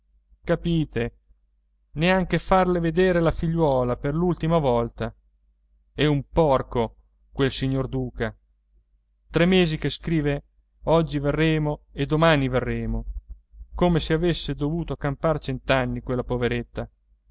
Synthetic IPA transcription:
kapiːt̪e | neaŋk̟efarleved̪eːɾelafiʎːwɔːlaperlult̪imavɔlt̪a | ɛumpɔrko | kwelsiɲːord̪uːka | t̪ɾɛmːeːzikeskɾiːve | ɔd͡ʒːiverːɛːmoed̪omaniverːɛːmo | komeseavesːed̪ovuːt̪okampart͡ʃɛnt̪anːikwelːapoveɾet̪ːa

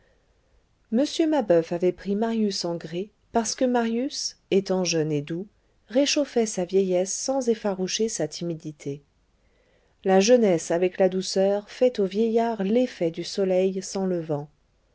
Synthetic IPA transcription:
məsjømabœfavɛpχimaʁjysɑ̃ɡʁe | paʁsə̥kəmaʁjyset̪ɑ̃ʒœned̪u | ʁeʃofɛsavjɛjɛsːɑ̃zefaʁuʃesat̪ʰimid̪it̪ʰe | laʒənɛsavɛklad̪usœʁfɛt̪ovjɛjaʁlefɛd̪ysɔlɛjsɑ̃ləvɑ̃

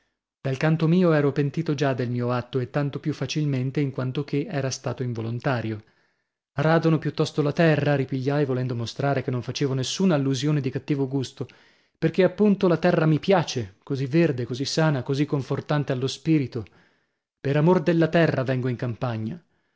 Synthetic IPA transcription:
d̪alkant̪omiːoɛːɾopent̪iːt̪od͡ʒad̪ːelmiːoat̪ːoet̪ːant̪opjufːat͡ʃilment̪eiŋkwant̪ok̟ʰeʔɛːɾast̪aːt̪oiɱvolont̪aːɾjo | raːd̪onopjut̪ːɔst̪olat̪ɛrraɾipiʎːajvolɛnd̪omost̪ɾaːɾekenːoɱfat͡ʃeːvonesːuːnaːlːuzjoːned̪ikat̪ːiːvoɡust̪o | perk̟eapːunt̪olat̪ɛrːamipjaːt͡ʃekozivːerd̪ekozisːaːnakozikːoɱfort̪ant̪ealːospiːɾit̪o | peɾamord̪elːat̪ɛrːavɛŋɡoiŋkampaɲːa

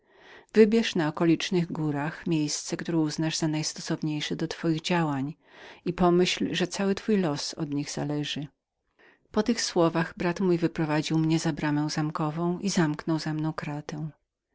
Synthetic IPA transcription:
vɘbʲjɛʂnaɔkɔlʲit͡ʂnɘɣɡuɾaxmʲjejst̪sɛkt̪uɾɛuznaʐz̥anajst̪ɔsɔvɲejʂɛd̪ɔt̪fɔjiɣd͡ʑawaɲ | ipɔmɘɕlʐɛt̪sawɘt̪fujlɔsɔ̰d̪ɲiɣz̥a̰lɛʐɘ | pɔt̪ɘxswɔvaɣbɾat̪mujvɘpɾɔvad͡ʑiwmɲɛzabɾamɛ̃w̃zamkɔvɔ̃w̃ʔizamknɔwzamnɔ̃w̃kɾat̪ɛw̃

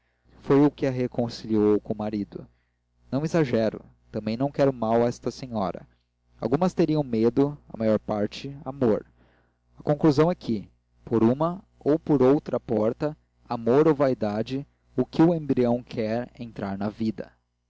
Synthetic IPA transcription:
fojʊkɪɐɦekõsiliowkõmaɾid̪ʊ | nɐ̃w̃izaʒɛɾʊ̰ | t̪ɐ̃mbẽj̃nɐ̃w̃kɛɾʊmawɐɛst̪ɐseɲɔɾɐ̰ | a̰wɡũmɐst̪eɾiɐ̃w̃med̪ʊɐ̰majɔɾpaɾt͡ʃɪamoɾ | ɐkõkluzɐ̃w̃ɛkʰɪ | poɾũmɐ | owpoɾowt̪ɾɐpɔɾt̪ɐ | amoɾowvajd̪ad͡ʒɪ | ʊkɪʊẽmbɾiɐ̃w̃kʰɛɾẽnt̪ɾʔaɾnɐvid̪ɐ̰

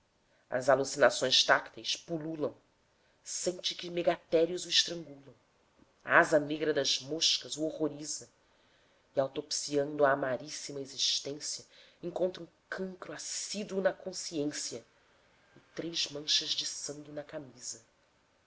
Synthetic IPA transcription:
ɐ̰zalusinasõj̃ʃt̪akt̪ejspululɐ̃w̃ | sẽnt͡ʃɪkɪmeɡat̪ɛɾiʊzuɪʃt̪ɾɐ̃ŋɡulˠɐ̃w̃ | a̰azɐneɡɾɐd̪ɐzmoʃkɐzuoʁoɾizɐ | ɪawt̪opsiɐ̃nd̪ʊaːmaɾisimɐeziʃt̪ẽsiɐẽŋkõnt̪ɾɐũkʰɐ̃ŋkɾʊasid̪uunɐkõsiẽsiɐ | ɪt̪ɾejzmɐ̃ʃɐzd͡ʒɪsɐ̃ŋɡɪnɐkamizɐ

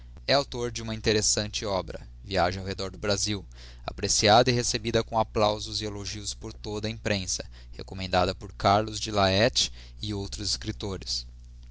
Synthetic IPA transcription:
ɛawt̪oɾd͡ʒɪũmɐĩnt̪eɾesɐ̃nt͡ʃɪɔbɾɐ̰ | viaʒẽawɦed̪ɔɾd̪ʊbɾaziw | a̰pɾesiad̪ɐiɦesebid̪ɐkõaplawzʊzɪeloʒiʊspoɾt̪od̪ɐĩpɾẽsɐ̥ | hḛkomẽnd̪ad̪ɐpoɾkaɾlʊzd͡ʒɪlaɛt͡ʃɪ̥ | ɪowt̪ɾʊzɪskɾit̪oɾɪs

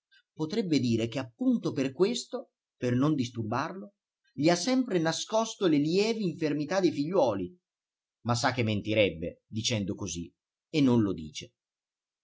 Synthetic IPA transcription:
pot̪ɾɛbːed̪iːɾekeapːunt̪operkwest̪o | pernond̪ist̪urbarlo | ʎiasːɛmpɾenaskɔst̪oleljɛːveiɱfermit̪ad̪ːejfiʎːwɔːli | masːakːemːent̪iɾɛbːḛd̪it͡ʃɛnd̪okozi | enːonlod̪ḭːt͡ʃe

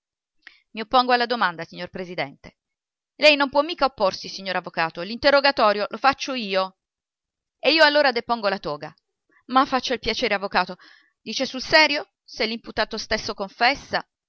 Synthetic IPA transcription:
miopːoŋɡoalːad̪omand̪asiɲːorpɾezid̪ɛnt̪e | lɛjnompwɔmːiːkaopːorsisiɲːoɾavːokaːt̪olint̪erːoɡat̪ɔːɾjolʔofat͡ʃːoiːo | eiːoalːoːɾad̪epoŋɡolat̪ɔːɡa | mafːat͡ʃːailpjat͡ʃeːɾeavːokaːt̪o | d̪iːt͡ʃesulsɛːɾjo | selːimput̪aːt̪ost̪esːokoɱfɛsːa

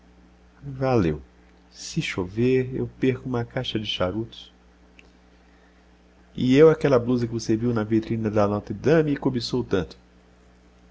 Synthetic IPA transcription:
valḛw | sɪʃoveɾḛwpeɾkʊũmɐkajʃɐd͡ʒɪʃaɾut̪ʊ̥s | ɪewakɛlɐbluzɐkɪvoseviwnɐvit̪ɾĩnɐd̪ɐnɔt̪ɐd̪ɐ̃mikobesowt̪ɐ̃nt̪ʊ̥

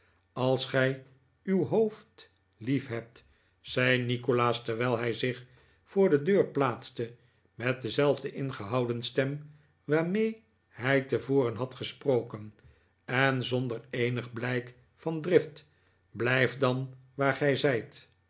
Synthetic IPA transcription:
ɑlˠsχɛj | ywɦowft | lifɦɛp̚t | sɛjnikolaːstɛɹʋɛːlˠɦɛjzɪχ | fʊːɹdədøːɹplaːtstə | mɛt̚dəzɛlˠvdəʔɪnχəɦɑwdənstɛm | ʋaːɹmej | hɛjtəvoːrənɦɑtχəsprowkən | ɛnzondəɹejnəχblɛjk | fɑndrɪft | blɛjfdɑnʋaːɹχɛjzɛjt

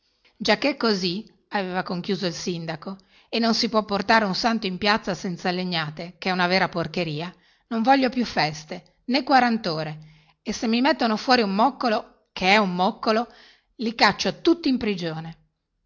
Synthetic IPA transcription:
d͡ʒakːekːozi | aveːvakoŋkjuːzoilsind̪ako | enːonsipwɔpːort̪aːɾeunsant̪oimpjat̪sːasɛnt̪salːeɲːaːt̪ekeɛunaveːɾaporkeɾiːa | noɱvɔʎːopjufːɛst̪e | nekːwaɾant̪oːɾe | esemːimet̪ːonofwɔːɾiumːɔkːolo | kʰeɛumːɔkːolo | likat͡ʃːot̪ut̪ːiːmpɾid͡ʒoːne

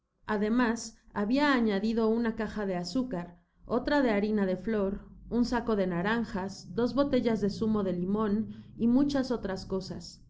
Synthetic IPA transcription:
aðe̞masaβiaːɲaðiðo̞unakaxaðe̞asukaɾ | o̞̰t̪ɾaðe̞aɾinaðe̞flo̞ɾunsako̞ðe̞naɾaŋxasd̪o̞zβo̞t̪e̞ʝazðe̞sumo̞ðe̞limo̞nimut͡ʃaso̞t̪ɾasko̞sas

